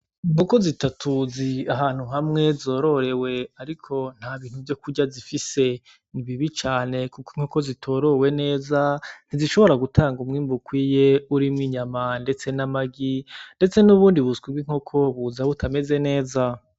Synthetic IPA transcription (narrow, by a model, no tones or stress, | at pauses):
ŋukozitatʰuziaɦaːn̥huɦamŋe̞zo̞ːɾo̞ɾe̞we̞aɾikʰo̞n̥haβiːn̥huvjo̞kuɟazifise̞ | niβiβit͡ʃaːne̞kukiŋ̥oko̞zitʰo̞ːɾo̞we̞ne̞ːzan̥iziʃo̞βo̞ɾaɡutʰaːŋɡumŋiːmbukwiːje̞uɾimŋiɲamande̞t͡se̞namaɡinde̞t͡se̞nuβuːndiβuskwiɡwiŋ̥okʰo̞βuzaβutʰame̞ze̞ne̞ːza